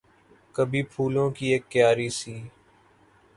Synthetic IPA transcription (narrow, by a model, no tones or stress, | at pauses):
kɐbʱiːpʰuːlõkieːkːjaːɾiːsiː